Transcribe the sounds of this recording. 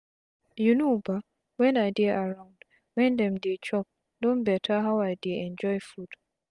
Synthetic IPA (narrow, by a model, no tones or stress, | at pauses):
junoba | wɛ̃najdɛʔaɹãʊ̃nd | wɛ̃ndɛ̃mdet͡ʃɔp̚ | dõnbɛtʰaɦawajdeɛ̃nd͡ʒɔjfud̥